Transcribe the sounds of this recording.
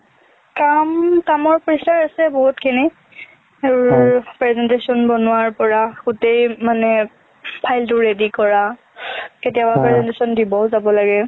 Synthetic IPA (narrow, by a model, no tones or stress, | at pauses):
kamtamɔɹpɔɹisaɹasɛboɦutkʰini | eɹpɹɛzɛntesɔnbɔnʊwaɹpɔɹakutejmanɛ | pʰajltʊɹedikɔɹa | ketijabapɹɛzɛntesɔndibɔʊzabɔlaɡɛ